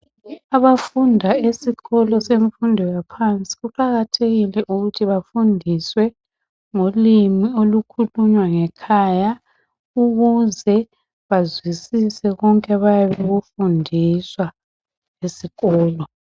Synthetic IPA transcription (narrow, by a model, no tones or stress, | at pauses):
aβafundʱaesiɣɔlɔseɱfundʱiɣapʰant͡sʼi̥ɣuǃaɣatʰeɣilɛʔuɣutʰiβafundʱiswɛ | ŋolimiolukʰuluɲwaŋɛkʰaja | uɣuzɛ | βazwisisɛɣɔŋkʼɛβajaβeɣufundʱiswa | lesiɣɔːlɔ